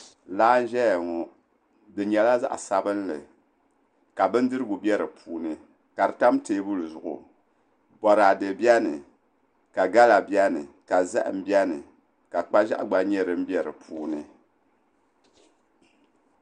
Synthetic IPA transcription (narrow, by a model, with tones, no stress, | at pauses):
laː˦n̩˦ʒɛ˦˨ŋɔ˨ | dɨ˨ɲɛ˨la˦za̰˦ʔsa˦bɨ˦n˦lɨ̰˨ | ka˨bɨ˦n̩˦dɨ˦ɾɨ˦ɡʊ˨bʲɛ˦ɾɨ˨pʰuː˦nɨ˨ | ka˨ɾɨ˨ta˦mteː˦bu˦lɨ˨zʊ˨ʔʊ̰˨ | bɔ˨ɾa˨dɨ˨bjɛ˦nɨ̰˨ | ka˨ɡa˦la˨bjɛ˦nɨ˨ | ka˨za̰˦ʔm̩˦bjɛ˦nɨ˨ | ka˨k͡pa˦ʒa˦ʔɡ͡ba˦ɲɛ˦ɾɨ˦m̩˦bɛ˦ɾɨ̰˨pʰuː˦nɨ˨